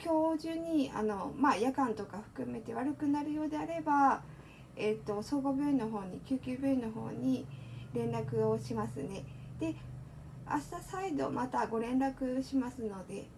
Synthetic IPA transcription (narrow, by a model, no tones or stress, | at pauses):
kʲo̞ːʑɨːɲ̟ːia̰no̞majakãnt̪o̞kaɸɯ̟̥kɯ̟me̞t̪e̞βaɾɯ̟kɯ̟naɾɯjo̞ːd̪e̞aɾe̞ba | et̪ːo̞so̞ːɡobʲɯ̟ino̞ɦo̞ːɲ̟ikʲɨːkʲɨːbʲɯ̟ino̞ɦo̞̰ːɲ̟iɾẽ̞nɾakɯ̟o̞ɕimasɨne̞d̪̥e̞ | a̰ɕi̥t̪asaid̪o̞̰mat̪aɡo̞ɾẽ̞nɾakɯ̟ɕimasɨno̞d̪e̞